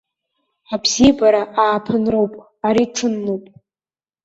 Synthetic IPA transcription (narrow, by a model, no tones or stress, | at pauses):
abzibaɾaʔaːpʰɨnrowpʼ | aɾiʈ͡ʂʰɨnːuwpʼ